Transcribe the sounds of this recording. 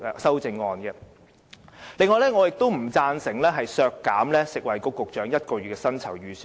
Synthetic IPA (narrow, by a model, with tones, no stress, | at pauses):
sɐ˥wt͡sɪ˧ŋːɔː˧nɡɛ˧ | le˨˧ŋɔː˧jlɛ˥ŋɔː˨˧jɪ˨k̚t̪o˥wm̩˨˩t͡saː˧nsɪ˨˩ŋlɛː˥ɦɐ˨jsœː˧kːaː˨˥mlɛː˥sɪ˨k̚wɐ˨˩jkʊ˨˧kːʊ˨k̚t͡ʃœː˨˥ŋjɐ˥t̚kɔː˧jɥyː˨t̚kɛː˧sɐ˥nt͡sʰɐ˨˩wjyː˨˧s